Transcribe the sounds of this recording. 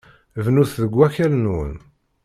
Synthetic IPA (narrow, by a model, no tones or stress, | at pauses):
vnuθðəɡʷːæçælnwə̰n